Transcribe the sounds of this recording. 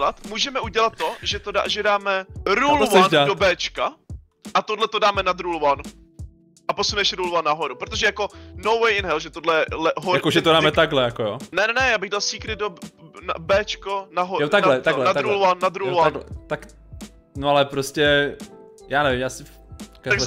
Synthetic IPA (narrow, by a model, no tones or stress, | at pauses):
lat̪muːʒɛmɛʔuɟɛlat̪ːoʒɛt̪oa̰ʒɛdaːmɛɾulvɛnɛadobɛːt͡ʃka | ʔat̪odlɛt̪odaːmɛnad̪ɾulvan | ʔapo̞sunɛʃɾulvanːaɦo̞ɾupɾot̪o̞ʒɛjako̞nowwɛjɪnɦɛlʒɛt̪odlɛɛlɛɦojakoʒɛt̪odaːmɛt̪aɡɦlɛjakojonɛnɛnɛjaːbɪɣdalsiːkɾɪdona̰bɛːt͡ʃkonaɦojoaɡlɛt̪aɡlɛad̪ɾulvanːad̪ɾulvaaɡlɛt̪ak | noalɛpɾoscɛ | jaːnɛvɪmjaːsɪ | kaaɡ